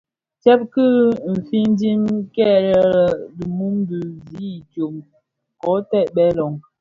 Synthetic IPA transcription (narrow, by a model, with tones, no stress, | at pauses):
t͡ʃɛ˦p̚kɨ˦m̩˨fi˦n˦di˦mkɛ˦˨ɾɛ˨ɾdi˨mu˦mdi˨zi˨˦˨t͡ʃo˨m | kɔ˨˦tɛ˦˨ʔɓɛ˦lɔ˨ŋ